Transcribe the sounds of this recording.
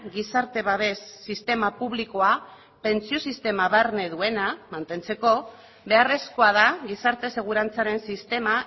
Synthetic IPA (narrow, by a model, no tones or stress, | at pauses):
ɣisaɾt̪e̞β̞aβe̞sːist̪e̞mapuβliko̞a | pe̞nt͡sio̞sist̪e̞maβaɾne̞ðue̞namant̪e̞nt͡se̞ko̞ | βe̞are̞sko̞að̞aɣisaɾt̪e̞se̞ɣ̞uɾant͡saɾe̞nsist̪e̞ma